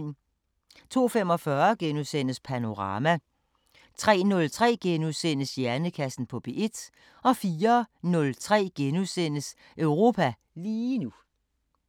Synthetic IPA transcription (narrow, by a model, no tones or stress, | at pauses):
t͡sʰo̝̰ːfem̰ɒ̽fɶɐɡ̥enuðˠsen̰əspʰæno̝ʁɑ̈ːmæ | t͡sʰʁɛ̰ːnɔ̽lt͡sʰʁɛ̰ːɡ̥enuðˠsen̰əsjæɐnəkʰæsn̩pʰɒ̽b̥e̝ʔe̝d̥ | ɒ̽fiːɐnɔ̽lt͡sʰʁɛ̰ːɡ̥enusen̰əs | ʔøʊʁo̝ːpʰæ | liːnu